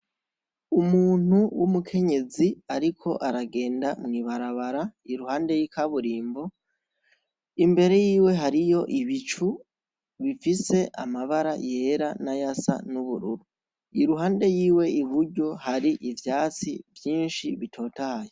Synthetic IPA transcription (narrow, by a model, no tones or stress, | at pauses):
umuːn̥uwumukʰe̞ɲe̞ziaɾikʰo̞ʔaɾaɡe̞ːndamŋiːβaɾaβaɾaiɾuhaːnde̞jikaβuɾiːmbo̞ | imbe̞ɾe̞jiːwe̞ɦaɾijo̞ʔiβit͡ʃu | βifise̞ʔa̰maβaɾaje̞ːɾanajasa̰nuβuɾṵɾu | iɾuɦaːnde̞jiːwe̞iβuɾɟo̞haɾiʔivjaːt͡sḭvjiːnʃiβitʰo̞ːtahaje